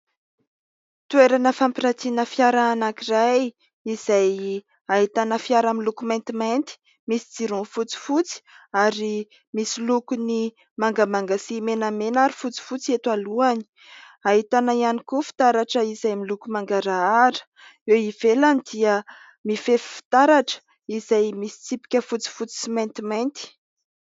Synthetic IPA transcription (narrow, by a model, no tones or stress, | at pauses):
t̪ueɾanəfampiɾat͡sinəfjaɾaːnakiraj | iz̥aj | aɦit̪anəfiaɾamilukumajnt̪imajnt̪i̥ | misi̥d͡ziɾunfut͡si̥fut͡si̥aɾi | misilukuni | maŋɡamaŋɡasimenamenaɾifut͡si̥fut͡siet̪waluani̥ | aɦit̪anaianikufi̥t̪aɾaʈ͡ʂəizajmilukumaŋɡaɾaaɾə̥ | eivelanid̪̥iə | mifefi̥fi̥t̪aɾaʈ͡ʂə̥ | izajmisi̥t͡sipi̥kʲəfut͡si̥fut͡si̥simajnt̪imajnt̪i̥